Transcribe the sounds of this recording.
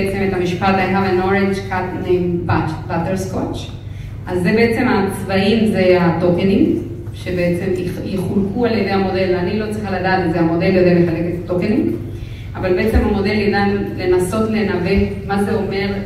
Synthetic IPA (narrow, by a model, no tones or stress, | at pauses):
et͡se̞met̪hamiʃpat̪ajɦavano̞ʁend͡ʒkatnejmbab̥at̪eʁskot͡ʃ | ʔazːebe̞et͡se̞mat͡svaimzeatokeniŋ | ʃe̞beet͡se̞mjiχulkualjed̪ejamo̞de̞lvanilo̞t͡sʁiχaladaːt̪ezeamo̞de̞ljo̞deameχale̞ketatokeniŋ | avalbeet͡se̞mhamo̞de̞ljidanle̞naso̞tlenave̞tmazeo̞me̞ʁ